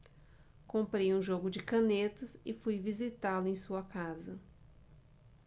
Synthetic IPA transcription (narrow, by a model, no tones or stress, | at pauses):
kõmpɾejũʒoɡʊd͡ʒɪkɐ̃net̪ɐsɪfujvizit̪alʊẽj̃suɐkazɐ